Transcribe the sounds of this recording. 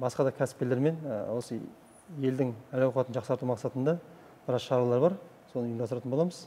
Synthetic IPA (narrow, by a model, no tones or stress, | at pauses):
bɑsqɑd̪ɑkʲʰæsɪ̥p̚kʲele̞ɾme̞nwo̞sə | je̞ld̪ɪŋælɑwqɑt̪ənʒɑqsɑɾt̪umɑqsɑt̪ənd̪ɑ | b̥ɪɾɑqʃɑɾɑlˠɑɾbɑɾ | so̞nəjənd̪ɑsɾɑt̪ənbolˠɑməz̥